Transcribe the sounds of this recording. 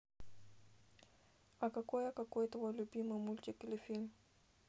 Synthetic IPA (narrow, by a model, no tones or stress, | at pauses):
ɐkɐkojakɐkojt̪əvolʲʊbʲimɨjmulʲtʲɪkʲɪlʲɪfʲilʲm